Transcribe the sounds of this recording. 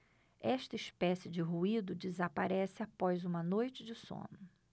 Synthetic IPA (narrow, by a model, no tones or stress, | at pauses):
ɛʃt̪ɐɪiʃpɛsɪd͡ʒɪɦuid̪ʊd͡ʒɪzapaɾɛsɪapɔjzũmɐnojt͡ʃɪd͡ʒɪsõ̰nʊ